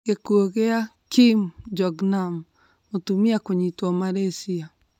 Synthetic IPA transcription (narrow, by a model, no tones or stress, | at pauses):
ɡekuoɣea | kimd͡ʒɔɡnam | otumiakoɲitɔmaɾesia